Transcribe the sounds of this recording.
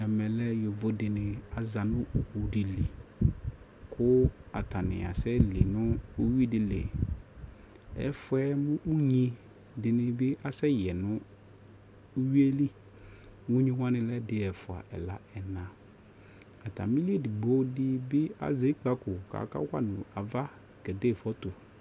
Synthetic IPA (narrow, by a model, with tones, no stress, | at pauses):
ɲɛ˨mɛ˨lɛ˦jo˨vo˨dɪ˨nɪ̃˨a˨za˨nʊ̃˦ʔu˨u˨di˨li˨ | kʰʊ˦a̰˨tʰa˨nɪ̰̃˨a̰˨sɛ˦li˨nʊ̃˦o˦wi˦dɪ˨lḛ˨ | ɛ̰˨fʊ˦ɛ˦mʊ̃˦ʔu˦ɲĩ˦ | dɪ˨nɪ̃˨bɪ˦ʔa˨sɛ˦jɛ˨nʊ̃˦ | wi˦e˦li˦ | wu˦ɲĩ˦wã˦nɪ̃˨lɛ˦dɪ˨ɛ˨fʊ˨a̰˨ʔɛ̰˨la˨ɛ˨nã˨ | a˨ta̰˨mi˦li˦e˦˨dɪ˨ɡ͡bo˦dɪ˦bɪ˦a̰˨ze˨˦i˦k͡pa˦kʊ˨ka̰˨ka̰˦kʷa̰˦nʊ̃˨a˨va˦ | kɛ˨de˦˨fɔ˦tʊ˨